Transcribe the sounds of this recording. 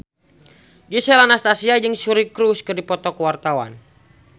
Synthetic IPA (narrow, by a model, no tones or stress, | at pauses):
ɡisɛlanast̪asiad͡ʒɨŋsuɾikɾuskɨrdipɔt̪ɔkuwart̪awa̰n